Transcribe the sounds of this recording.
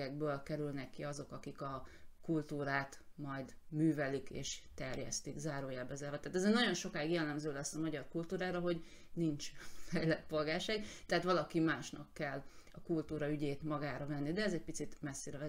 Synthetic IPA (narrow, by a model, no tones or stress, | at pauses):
ɛɡ̚bøːlkɛɾylnɛkːiɒzo̞kɒkikɒkult̪uːɾaːt̪mɒjd̪myːvɛlikḛːʃt̪ɛrjɛ̰st̪iɡzaːɾoːjaːbːɛzaːvɒt̪aːt̪ɛzeːrnɒɟo̞nʃo̞kaːjiɡjɛlːɛmzøːlɛsːɒmɒɟɒrkult̪uːɾaːɾɒɦo̞ɟ | nint͡ʃfɛjlɛt̪po̞lɡaːrʃaːɡt̪ɛaːt̪ʋɒlɒkimaːʃnɒkːɛlːɒkult̪uːɾɒyɟeːt̪mɒɡaːɾɒvɛnːid̪ɛɛzɛc̚pit̪sit̪mɛsːeːɾɛvɛ